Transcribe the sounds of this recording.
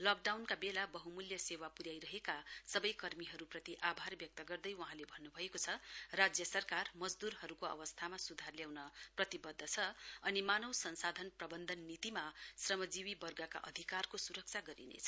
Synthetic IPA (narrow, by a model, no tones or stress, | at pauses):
lʌk̚ɖawnkabelabʌɦumuljʌsewapuɾjajɾʌɦekasʌbʌjkʌrmiɦʌɾuprʌt̪iʔabʱarbjʌk̚t̪ʌɡʌrd̪ʌjwʌɦãlebʱʌnːubʱʌekot͡sʰʌrad͡zjʌsʌrkarmʌd͡zd̪uɾɦʌɾukoʌ̰bʌst̪ʰamasud̪ʱarljawnʌprʌt̪ibʌd̪ʱːʌt͡sʰʌʌnimanʌwsʌnsad̪ʱʌnprʌbʌnd̪ʱʌnːit̪imasrʌmʌd͡ziwibʌrɡʌka̰ʔʌ̰d̪ʱikarkosuɾʌk̚t͡sʰaɡʌɾḭnḛt͡sʰʌ̥